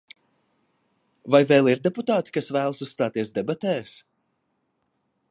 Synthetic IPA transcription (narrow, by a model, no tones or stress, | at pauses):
vajvɛːlˠiɾd̪ʲɛput̪aːt̪i̥kasvæːlˠsusst̪aːt̪iɛs̬d̪ɛbat̪ɛːs